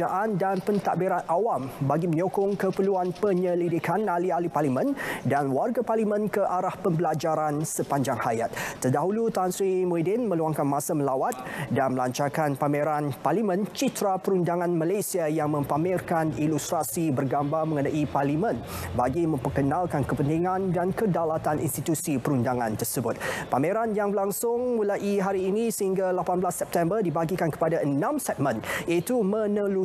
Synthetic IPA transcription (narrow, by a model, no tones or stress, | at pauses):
aʔandanpənt̪aʔbiɾat̪ʔawambaɡiməɲokʊŋkəpəluanpəɲəlidikʰanalialiparlimə̃ndanwarɡaparlimə̃nkəʔaɾahpəmbəlad͡ʒaɾansəpaɲd͡ʒaŋhajat̪̚ːərdaɦulut̪answimoidɪnmə̃luaŋkanmãsaməlawat̪̚danməlaɲt͡ʃarkanpameɾanparlimə̃nt͡ʃit̪ɾapəɾundaŋãnmalasiajaŋmə̃mpamɪrkanilust̪ɾasibərɡambarməŋənaʔiparlimə̃nbaɡimə̃mpərkənãlkankəpənt̪iŋãndankədalat̪anʔḭnst̪it̪usipəɾundaŋã̰nt̪ərsəbʊt̪̚pameɾanjaŋbəlaŋsʊŋmulaʔiɦaɾiːnĩsəhiŋɡalapanblasːɛp̚t̪ɛmbərdibaɡikankə̥padaənãmsɛt̪̚mə̃nit̪umə̃nəlu